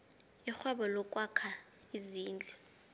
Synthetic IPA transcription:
ixwaɓɔlɔkʼwakʰaiziːnd͡ɮʱɛ

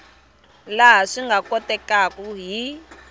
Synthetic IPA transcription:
laɦaʂiŋɡʱakɔtɛkakuɦi

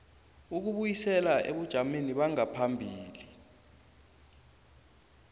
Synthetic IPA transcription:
uk̬uɓujisɛlaʔḛɓud̥ʒ̥ʱameniɓaŋapʰambʱiːli

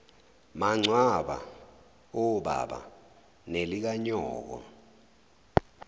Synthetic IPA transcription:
maŋ͡ǀʱwaɓa̰ | ɔɓa̰ɓa̰ | nelik̬aɲɔːk̬ɔ̰

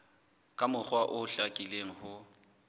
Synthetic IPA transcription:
kʼamʊk͡xwaʔʊɬakʼileŋ̩hʊ

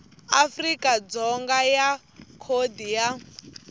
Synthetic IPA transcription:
afrikʼad͡zɔŋɡaja | kʰodija

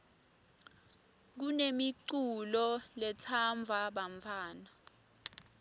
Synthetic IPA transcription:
k̬unemiǀulɔlɛtʰaɱbvʱaɓaɱfʰaːna

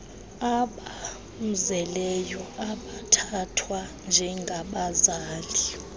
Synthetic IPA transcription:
aɓa | m̩zɛlɛjɔaɓatʰatʰwand͡ʒʱɛŋɡʱaɓazaːli

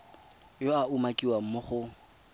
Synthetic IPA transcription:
joaumakʼiwam̩moχʊ

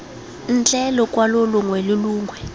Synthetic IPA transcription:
nt͡ɬʼɛlɔkʼwalɔluŋwɛluluːŋɡʱwɛ

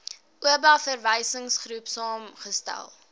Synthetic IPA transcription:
ʔuəbɑfərvəjsəŋsχrupsɑːmχəstæ̰lˠ

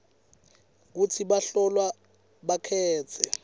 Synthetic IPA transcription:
k̬utʰiɓaɬɔlwa | ɓakʰɛːt͡sʰɛ

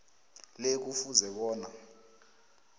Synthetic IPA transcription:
lek̬ufuzɛɓɔːna

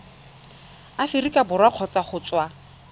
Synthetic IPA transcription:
afɪrikʼabʊrwaq͡χʰɔt͡sʼaχʊt͡sʼwa

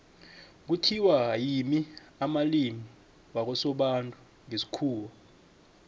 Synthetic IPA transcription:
k̬utʰiwaajimi | amalimi | wak̬ɔsɔɓantʼu | ŋesi̥kʰuːwɔ

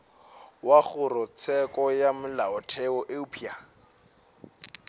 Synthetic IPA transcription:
waχʊrʊt͡sʰɛkɔjamʊlaɔtʰɛɔʔeupʰia

